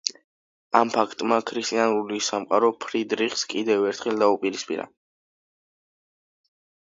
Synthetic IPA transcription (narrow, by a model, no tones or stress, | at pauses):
ampʰakʰt̪ʼmakʰɾist̪ʼianɾulisamqʼaɾɔpʰɾid̪ɾiχskʼid̪ɛvɛɾt̪ʰχɛld̪aupʼiɾispʼḭɾa̰